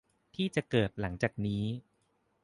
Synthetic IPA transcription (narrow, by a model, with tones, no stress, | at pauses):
t̪ʰiː˥˩t͡ɕa˨˩kɤː˨˩t̪̚la˩˦ŋt͡ɕaː˨˩k̚niː˦˥